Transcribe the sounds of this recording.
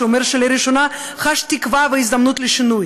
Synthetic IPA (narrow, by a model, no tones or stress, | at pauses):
eomeɾʃeleɾiʃona | χaʃt̪ikvaveizd̪amnut̪leʃinuj